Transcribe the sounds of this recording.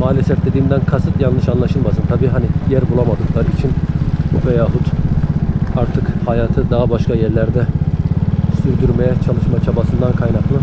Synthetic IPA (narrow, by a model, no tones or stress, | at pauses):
maːlʲɛsɛfd̪ed̪iːmd̪ænkʰasɯt̪janːɯʃanlˠaʃɯlˠmasɯnt̪ʰabiːɦanijæɾbulˠamad̪ɯklˠaɾit͡ʃʰinbuvɛjaːɦud̪ | aɾt̪ʰɯkhajaːt̪ʰɯd̪aɦabaʃkʰajɛɾlʲæɾd̪ɛ | syɾd̪yɾmejɛt͡ʃʰalˠɯʃmat͡ʃʰabasɯnd̪ankʰajnaklˠɯ